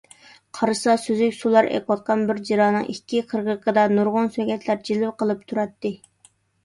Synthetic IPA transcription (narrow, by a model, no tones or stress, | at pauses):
qʰɑɾɨsɑsøzykʲsulˠɑɾɛ̰kʲwɑt̪̚qʰɑnbɪɾd͡ʒiɾɑːnɨ̰ŋʔikʲʰːiqʰəɾʁəqʰəd̪ɑnuɾʁʊnsɛɡʲɛt̪ʰlæɾd͡ʒilɪwqʰəlˠɨp̚t̪ʰuɾɑt̪ːɨ